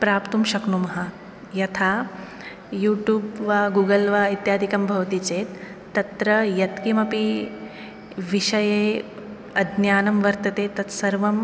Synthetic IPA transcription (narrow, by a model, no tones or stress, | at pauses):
pɾaːpt̪umʃɐknumɐɦɐ̆ | jɐt̪ʰaː | juːʈjuːbʋaːɡuːɡɐlʋaːit̪jaːd̪ʱikɐmbʱɐʋɐt̪it͡ʃeːt̪ː | ɐt̪ɾɐjɐt̪kimɐpi | ʋiʃɐjeː | ɐd̪ʱnjaːnɐmʋɐɾt̪ɐt̪eːt̪ɐt̪sɐɾʋɐm